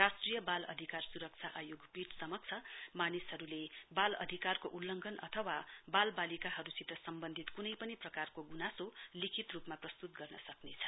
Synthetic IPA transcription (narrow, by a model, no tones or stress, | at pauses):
rasʈrijʌbalʌ̰d̪ʱikarsuɾʌk̚t͡sʰaʔajoɡpiʈsʌmʌk̚t͡sʰʌmanisɦʌɾulebalʌ̰d̪ʱikarkoʔulːʌŋɡʱʌnʔʌ̰t̪ʰʌwabalbalikaɦʌɾusit̪ʌsʌmbʌnd̪ʱit̪kunʌjpʌniprʌkarkoɡunasolikʰit̪rupmaprʌst̪ut̪ɡʌrnʌsʌknet͡sʰʌ̥